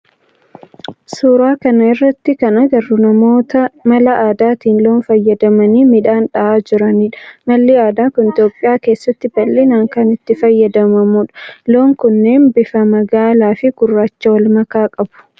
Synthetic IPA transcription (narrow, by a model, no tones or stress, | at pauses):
suːɾaːkɐnɐɪrːɐt̪ːɪkɐnɐɡɐrːʊnɐmo̞ːt̪ɐmɐlɐʔaːd̪aːt̪iːnlo̞ːnfɐjːɐd̪ɐmɐniːmɪᶑaːnᶑɐʔaːd͡ʒɪɾɐniːᶑɐ̥mɐlːiaːd̪aːkʊnɪt̪jo̞ːpʼːɪjaːke̞ːsːɐt̪ːɪbɐlːinaːŋkɐnɪt̪ːɪfɐjːɐd̪ɐmɐmuːᶑɐ̥lo̞ːŋkʊnːeːnbɪfɐmɐɡaːlaːfɪɡ̥ʊrːaːt͡ʃːɐwɐlmɐkaːkʼɐbʊ̥